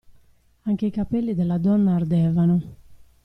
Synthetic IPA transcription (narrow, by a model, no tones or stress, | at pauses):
aŋk̟eikapɛlːid̪elːad̪ɔnːaːrd̪ɛːvano